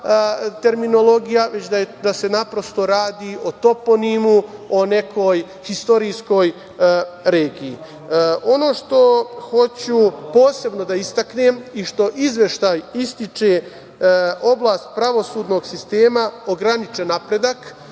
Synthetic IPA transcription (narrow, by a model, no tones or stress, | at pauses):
t̪e̞ɾmino̞lo̞ɡijaʋe̞t͡ɕd̪ad̪ase̞napɾo̞st̪o̞ɾaːd̪iːʔo̞t̪o̞po̞nimuo̞ne̞kʰo̞j | hist̪o̞ɾiːsko̞j | ɾeːɡiː | o̞no̞ːʃt̪o̞xo̞t͡ɕupo̞ːse̞bno̞d̪aist̪akneːmiʃt̪o̞ʔizʋe̞ʃt̪ajist̪it͡ʃe | o̞blˠaːst̪̚pɾaʋo̞suːd̪no̞ːɡsist̪e̞ːmaoɡɾanit͡ʃenapɾe̞d̪ak